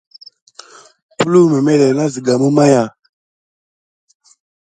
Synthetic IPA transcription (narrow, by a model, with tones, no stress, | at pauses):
pu˦lu˦me˨me˦le˨na˦zi˨ɡa˨mu˦ma˦ja˨